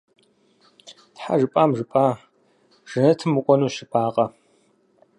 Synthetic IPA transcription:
tħa̰ʒɨpʼaːmʒɨpʼaː | ʒ̥ɨnɐtʰɨmɨkʷʼɔnuːɕɪpʰʼaːqʼɐ

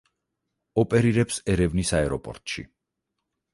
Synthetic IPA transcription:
ɔpʼɛɾiɾɛpsɛɾɛvnisaɛɾɔpʼɔ̰ɾt̪ʼʃḭ

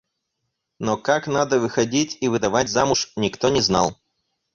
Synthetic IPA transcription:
nokaknad̪əvɨxɐdʲitʲivɨd̪ɐvatʲzamʊʂnʲɪkt̪onʲɪzna̰lˠ

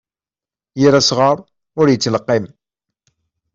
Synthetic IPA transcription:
jiɾasʁɑɾˤ | ʊɾjət͡sːləqːɪm

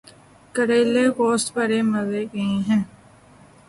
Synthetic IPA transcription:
kəɾeːlekoːsʈ̪pəɾeːmɐzeːkẽẽɦɛ̃ː

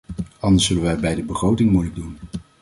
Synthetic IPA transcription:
ɑndəɹsːɵləʋɛɛbɛjdəbəχrowtɪŋmujləɡ̚dun

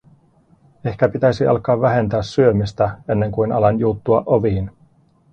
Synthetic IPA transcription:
e̞hkæpit̪æjsiʔɑ̰lkɑːʋːæɦe̞nt̪æːsːyø̞mist̪æe̞nːe̞ŋkujnɑ̰lɑnjut̪ːuɑʔoʋiːn

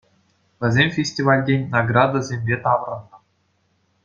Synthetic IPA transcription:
vʲɘ̆zʲemʲfʲesʲtʲivɑlʲdʲenʲnɑɡrɑd̪azʲemʲbʲet̪ɑʋɾɤ̆nɤ̆

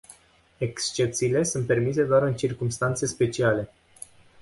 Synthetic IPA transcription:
e̞kst͡ʃe̞p̚t̪siːle̞sunt̪̚pe̞rmis̬e̞d̪oaɾɨnt͡ʃirkumst̪ant̪se̞spe̞t͡ʃiale̞

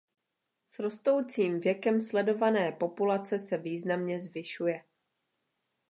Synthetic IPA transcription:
sɾo̞st̪o̞wt͡siːmvjɛkɛmslɛdo̞vanɛːpo̞pulat͡sɛsɛviːznamɲɛzvɪʃujɛ

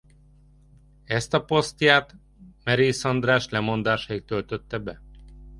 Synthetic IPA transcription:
ɛst̪ɒpo̞st̪jaːt̪ | mɛɾiːsɒnd̪raːʃlɛmo̞nd̪aːʃɒik̚t̪ølt̪øt̪ːɛbɛ

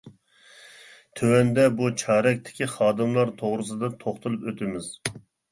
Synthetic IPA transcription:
t̪ʰøwɛnd̪ɛbut͡ʃʰɑːɾɛk̚ʲt̪ʰɪ̥kʲiχɑːd̪ɨmlˠɑɾt̪ʰoʁɾɨs̬ɨd̪ɑt̪ʰoχt̪ʰulˠɨpøt̪ʰɪmɪz̥

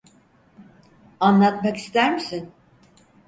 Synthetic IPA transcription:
anlˠat̪maki̥st̪ʰæɾmisin

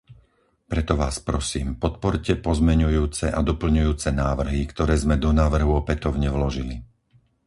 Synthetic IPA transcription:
pɾɛt̪ɔʋa̰ːspɾɔsiːmpɔt̪pɔɾcɛpɔzmɛɲujuːt͡sɛʔad̪ɔpl̩ɲujuːt͡sɛnaːʋr̩ɦikt̪ɔɾɛːzmɛd̪ɔnaːʋr̩ɦuɔpɛt̪ɔʊɲɛʋlɔʒili

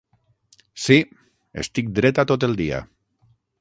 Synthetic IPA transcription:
si | ḛst̪ik̚d̪ɾɛt̪at̪ot̪eld̪ia̰

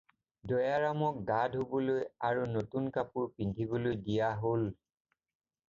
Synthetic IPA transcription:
dɔjaɹamɔk̚ɡadʱobɔlojaɹunotunkapuɹpindʱibolojdijaɦol

